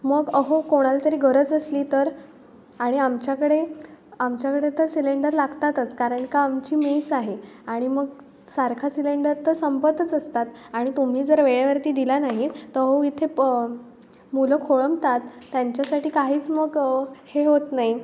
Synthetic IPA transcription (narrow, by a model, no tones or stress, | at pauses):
məɡəɦokoɽ̃alat̪əɾiːɡʱəɾət͡səsliːt̪əɾ | aɽ̃iamt͡ɕjakəɽeamt͡ɕjakəɽet̪əɾsileɳɖəɾlaɡt̪at̪ət͡skaɾəɳkaːmt͡ɕiːmisaɦeaɽ̃iməɡ | saɾkʰasileɳɖəɾt̪əsəmpət̪ət͡səst̪at̪aɽ̃it̪um̤iːd͡zəɾʋeɭaʋəɾt̪iːd̪ilanaɦit̪əəɦoit̪ʰe | muləkʰoɭəmt̪at̪ːjaɲt͡ɕjasaʈiːkaɦiːt͡sməɡheɦot̪naɦi